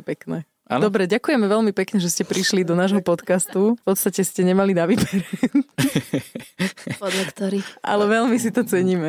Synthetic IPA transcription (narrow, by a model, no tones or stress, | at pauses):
pɛknɛ | ʔa̰ndɔbɾɛɟakujɛmɛʋɛlmipɛkɲɛʒɛscɛpɾiʃlid̪ɔnaːʒɦɔpɔt̪kast̪ufpɔt̪st̪acɛscɛɲɛmalinaʋiːbɛɾɛ | pɔd̪lakt̪ɔɾiːxʔa̰lɛʋɛlmis̬it̪ɔt͡sɛɲiːmɛ